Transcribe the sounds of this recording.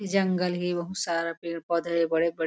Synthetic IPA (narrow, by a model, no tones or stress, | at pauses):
d͡ʒɐ̃ŋɡəlɦiʋɐɦũsaːɾapiːɳpɔd̪ʱɭebɐɽebɐɽ